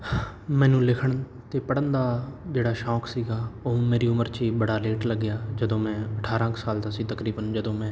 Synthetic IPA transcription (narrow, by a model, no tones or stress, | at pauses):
mɛ̃ːnũːlɪkʰəɳ | t̪eːpəɽənd̪aːd͡ʒeːɽaːʃɔːksiːɡaːõːmeːɾiːʊməɾt͡ʃiːbəɽaːleːʈləɡːɪjaːd͡ʒəd̪õːmɛ̃ːəʈʰaːɾãːksaːld̪aːsiːt̪əkɾiːbənd͡ʒəd̪õːmɛ̃ː